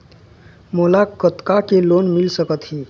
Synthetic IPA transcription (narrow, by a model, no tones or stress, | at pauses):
molakət̪kakelonmilsəkət̪ɦi